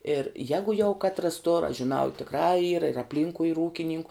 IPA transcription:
ɪr ˈjæːɡʊ jɛʊ ˈkɑːtrɐs toːr ɐʃ ʒʲɪˈnɐʊ ɪ tʲɪkˈrɑː iːr ɪr ɐpʲˈlʲiːŋkʊɪ iːr ˈuːkʲɪnʲɪŋkʊ

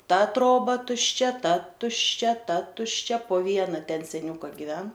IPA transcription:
ˈtɐ ˈtroːbɐ tʊʃʲˈt͡ʃʲɛ ˈtɐ tʊʃʲˈt͡ʃʲɛ ˈtɐ tʊʃʲˈt͡ʃʲɛ poː ˈʋʲiɛnɐ ˈtʲɛn sʲɛˈnʲʊkɐ ɡʲɪˈʋʲɛn

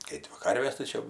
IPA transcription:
ˈkɐɪ dʲʋʲɪ ˈkɐrʲʋʲeːs tɐɪ ˈt͡ʃʲɛ

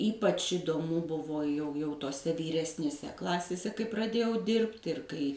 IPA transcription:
ˈiːpɐt͡ʃ ɪdoːˈmʊ ˈbʊʋoː jɛʊ jɛʊ toːˈsʲɛ ʋʲiːrʲɛsʲnʲeːˈsʲɛ ˈklˠɑːsʲeːsʲɛ kɐɪ prɐˈdʲeːjɛʊ ˈdʲɪrʲpʲtʲ ɪr ˈkɐɪ

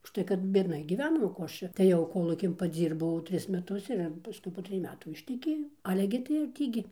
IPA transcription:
ʊʃˈtɐɪ kɐt bʲiɛdˈnɐɪ ɡʲiːˈʋʲæːnoːm oː ˈkoː ˈɐʃ t͡ʃʲɛ tɐɪ ˈjɛʊ ˈkoːlˠuːkʲɪn pɐˈd͡zʲiːrbɐʊ ˈtʲrʲɪs mʲɛˈtʊs ɪr ɪr pɐˈskʊɪ poː ˈtʲrʲɪj ˈmʲæːtuː ɪʃʲtʲɛˈkʲeːjɛʊ ˈɑːlʲɛ ɡʲɪ tɐɪ ɪr ˈtʲiː ɡʲɪ

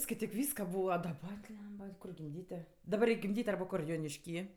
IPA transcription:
skɐɪˈtʲiːk ˈʋʲiːskɐ ˈbuːʋɐ dɐˈbɐ ˈbʲlʲɛmbɐ ˈkʊr ɡʲɪmʲˈdʲiːtʲɪ dɐˈbɐr rʲɛɪkʲ ɡʲɪmʲˈdʲiːtʲ ˈɐrbɐ ˈkʊr joːnʲɪʃʲˈkʲiː

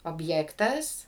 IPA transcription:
oːbʲˈjæːktɐs

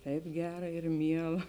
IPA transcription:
ˈtɐɪp ˈɡʲæːrɐ ɪr ˈmʲiɛlˠɐ

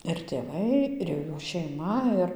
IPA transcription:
ɪr tʲeːˈʋɐɪ ɪr jɛʊ ˈjuː ʃʲɛɪˈmɐ ˈɪr

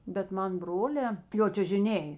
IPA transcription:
bʲɛt ˈmɐn ˈbroːlʲɛː joː t͡ʃʲʊʒʲɪˈnʲeːj

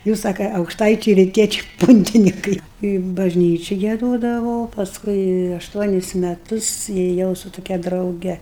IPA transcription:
ˈjuːs ˈsɑːkɐ ɐʊkʃˈtɐɪt͡ʃʲɛɪ rʲɪˈtʲiɛt͡ʃʲɛɪ ˈpʊnʲtʲɪnʲɪkɐɪ ɪ bɐʒʲˈnʲiːt͡ʃʲɪ ɡʲiɛˈdoːdɐʋoː pɐsˈkʊɪ ɐʃˈtuɔnʲɪs mʲɛˈtʊs eːˈjɛʊ sʊ tʊˈkʲɛ drɐʊˈɡʲɛ

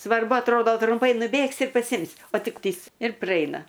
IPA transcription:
sʋɐrˈbʊ ɐtˈroːdoː trʊmˈpɐɪ nʊˈbʲeːksʲɪ ɪr pɐˈsʲɪmʲsʲɪ oː ˈtʲɪk ˈpʲiːst ɪr prɐˈɛɪnɐ

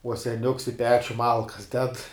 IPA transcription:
uɔ sʲɛˈnʲʊks ɪ ˈpʲæːt͡ʃʲʊ ˈmɐlˠkɐs dʲɛt

